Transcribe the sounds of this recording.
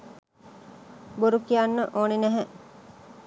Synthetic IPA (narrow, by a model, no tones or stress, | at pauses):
boɾukijanːəʔoːnenæɦæʔ